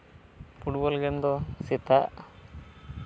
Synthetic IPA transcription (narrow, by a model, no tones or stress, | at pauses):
pʰuʈbɔlɡɛnd̪ɔsit̪aʔ